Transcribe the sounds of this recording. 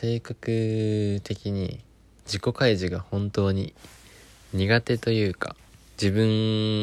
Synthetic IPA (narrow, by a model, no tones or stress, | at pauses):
se̞ːkakɯ̟t̪e̞kʲiɲ̟ḭ | d͡ʑiko̞kaiʑiɡahõ̞nt̪o̞ːɲ̟i | ɲ̟iɡat̪e̞t̪o̞jɯ̟ːka̰ | d͡ʑibɯ̟̃ŋ